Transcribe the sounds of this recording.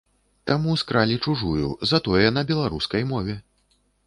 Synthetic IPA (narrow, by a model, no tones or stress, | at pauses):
t̪amuskɾalʲit͡ʂuʐujṵzɐt̪ɔjɛnɐbʲɛlˠaɾuskɐjmɔvʲɛ